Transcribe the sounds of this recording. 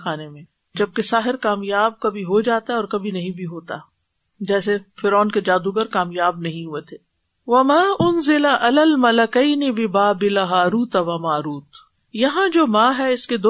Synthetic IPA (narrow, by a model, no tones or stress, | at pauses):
aːnemẽː | d͡ʒɐb̚kesaːɦɪɾkaːmjaːb̚kɐbʱiɦod͡ʒaːt̪aɦɛɔːɾkɐbʱinɐɦĩbʱiɦoːt̪a | d͡ʒɛːsefɪɾɔːnked͡ʒaːd̪uɡəɾkaːmjaːbnɐɦĩɦuet̪ʰeː | ʋɐmaːʔʊnzɪlaʔɐlaːlmɐlɐkɐɪnɪbɪbaːbɪlaɦaːɾuːt̪aʋɐmaːɾuːt̪ | jɐɦãd͡ʒoːmãːɦɛɪsked̪o